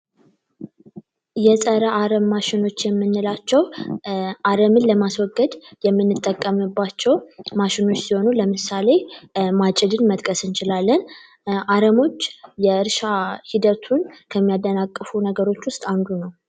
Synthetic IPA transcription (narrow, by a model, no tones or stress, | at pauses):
jɛsʼəɾəʔaɾəmːaʃɪno̞t͡ʃːjɛmːɨnːɨlat͡ʃːɛw | ʔaɾəmɨnləmaswɔɡːəd̪jɛmːɨnːɨt̪ʼːəkʼːəmɨbːat͡ʃːɛwmaʃɪno̞t͡ʃːsiho̞nuləmɨsale̞mat͡ʃʼɪd̪ɨnmət̪ʼkʼəsɨnt͡ʃɪlalːən | ʔaɾəmo̞t͡ʃːjɛɨɾʃahid̪ət̪ʰunkʰəmːijad̪ːənakʼːɨfunəɡəɾo̞t͡ʃːwʊst̪ʼand̪unəw